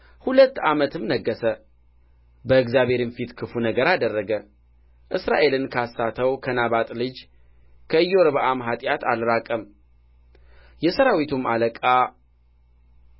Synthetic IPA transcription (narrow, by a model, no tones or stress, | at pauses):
hulət̪ːamət̪ʰɨmnəɡːəsə | bəɨɡzjaβe̞ɾɨnfit̪kʰɨfunəɡəɾad̪ərːəɡə | ʔɨsɾa̰ʔe̞lɨnkʰasːat̪ʰəwkʰənaβat̪ʼlɨd͡ʒ | kʰəɨjːoɾβʔamɦat̪ʼjat̪ʰa̰lɾakʼəm | jɛsəɾawit̪ʰuma̰ləkʼa